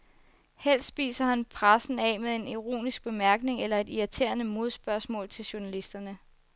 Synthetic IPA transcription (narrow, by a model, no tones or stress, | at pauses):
hel̰sd̥sb̥ḭːsɐhænpʰʁasn̩ɛmeðˠe̝niʁo̝̰ːnisɡ̥̚b̥e̝mæɐɡ̥ne̝ŋelɐe̝diæt͡sʰe̝̰ːɐnəmo̝ð̞ˠsb̥ɶɐsmɔ̰̽ːlt͡sʰe̝lɕuɐnælisd̥ɐnə